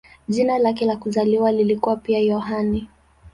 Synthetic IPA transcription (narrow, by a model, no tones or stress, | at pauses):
ʄinalak̬ɛlakuzaliwalilikuwapiajɔɦani